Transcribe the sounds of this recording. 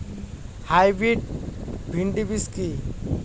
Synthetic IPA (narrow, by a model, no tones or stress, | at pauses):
hajbiʈ̚bʱiɳɖibiski